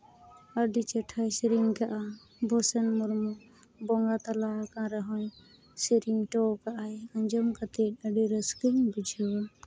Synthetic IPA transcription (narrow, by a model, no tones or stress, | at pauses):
əɖit͡ʃɛʈʰajsiɾiŋkaʔa | bʱɔsɛnmuɾmɔ | bɔŋɡat̪alakãɾɛɦɔ̃ɲ | siɾiŋʈɔkaʔajəɲd͡ʒɔmkat̪ɛəɖiɾəskiŋbid͡ʒʱəw